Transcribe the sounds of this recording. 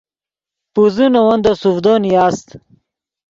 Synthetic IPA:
puzunowɐnd̪osufd̪oniaːst̪

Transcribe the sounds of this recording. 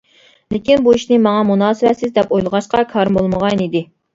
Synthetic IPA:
lɪkʲinbuiʃnɪmɑŋɑmunɑːsɨwɛt̪sɪzd̪ɛpojlˠəʁɑʃqɑkʰɑɾmbolˠməʁɑnnid̪ɪ

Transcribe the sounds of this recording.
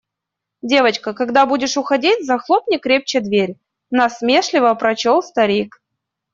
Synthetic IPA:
dʲe̞vət͡ɕkəkɐɡd̪abudʲɪʂʊxɐdʲitʲzɐxlˠopnʲɪkɾʲep̚t͡ɕɪd̪vʲeɾʲ | nɐsmʲeʂlʲɪvəpɾɐt͡ɕolˠst̪ɐɾʲik

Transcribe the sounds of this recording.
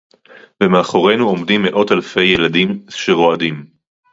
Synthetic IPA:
vemeaχoʁe̞jnuo̞mdimːeʔo̞talfe̞jːeladimʃeʁo̞adim

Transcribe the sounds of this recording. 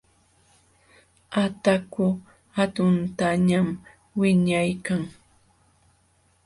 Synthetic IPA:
at̪akʊ | hat̪ʊnt̪aɲam | wɪɲajkaŋ

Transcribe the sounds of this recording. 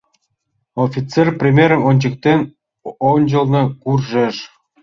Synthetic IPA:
ofʲit͡serprʲimʲeɾəmonʲt͡ɕə̆k̚t̪enʲ | onʲd͡ʑə̆lˠnɤ̆kurʒĕʃ

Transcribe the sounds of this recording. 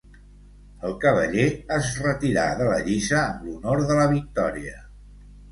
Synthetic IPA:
əlˠkəβəʎeəzrət̪iɾa̰ðələ̰ʎizəːmlunoɾðələβik̚t̪ɔɾiə

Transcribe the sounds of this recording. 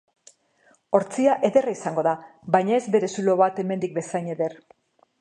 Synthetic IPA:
o̞ɾt͡siaʔe̞ðe̞raisaŋɡo̞ðabajɲae̞zbe̞ɾe̞sulo̞βat̪e̞me̞nd̪ik̚be̞sajne̞ðe̞r

